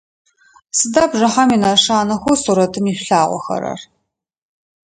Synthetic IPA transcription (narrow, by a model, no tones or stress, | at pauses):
sɨdaːbʒɐħaminaʂaːnɐxʷʊsuːɾɐtʰɨmiɕɬaːʁʷɔ̰xɐ̰ɾɐ̰r